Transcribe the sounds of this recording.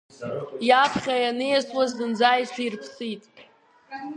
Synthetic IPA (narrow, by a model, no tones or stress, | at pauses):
japʰχʲajanejasʼwazdɨnd͡zajʃʷᶣirpʰsitʼ